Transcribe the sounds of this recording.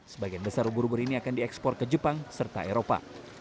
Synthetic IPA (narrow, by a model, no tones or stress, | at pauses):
səbaɡijanbəsarubuɾubʊɾiniakandiɛkspɔr̚kəd͡ʒəpaŋsərt̪a̰eɾopa̰